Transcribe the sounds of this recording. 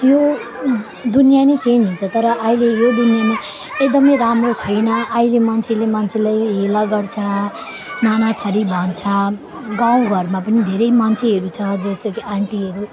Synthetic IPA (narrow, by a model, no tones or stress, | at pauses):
jo | d̪unijanet͡send͡zɦint͡sʰʌt̪ʌɾʌʔːilejod̪unjane | ek̚d̪ʌmʌjɾamɾot͡sʰʌjnʌʔːilemant͡sʰelemant͡sʰelajɦelʌɡʌɽt͡sʰʌ | nanat̪ʰʌɾibʱʌnt͡sʰʌ | ɡãw̃ɡʱʌɾmapʌnid̪ʱeɾʌjmant͡sʰeɦʌɾut͡sʰʌd͡zʌst̪ʌkaɳʈiɦʌɾu